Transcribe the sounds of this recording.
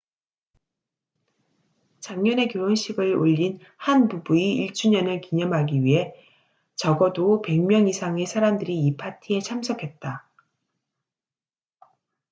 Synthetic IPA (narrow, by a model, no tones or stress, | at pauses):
t͡ɕaŋɲʌne̞kjoʌnɕʰiɡɯɭoʎːin | hanbubuiiɭt͡ɕ͈ʰuɲʌnɯɭkiɲʌmɦaɡiɥiɦe̞ | t͡ɕʌɡʌdope̞ŋmjʌŋisʰaŋe̞sʰaɾamdɯɾiːpʰatʰie̞t͡ɕʰamsʰʌkʰe̞t̚t͈a